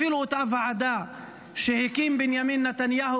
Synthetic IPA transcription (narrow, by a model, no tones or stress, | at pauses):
ilʊt̪avaʕad̪a | ʃehɪkimbɪnjamiːnːat̪anjaːhu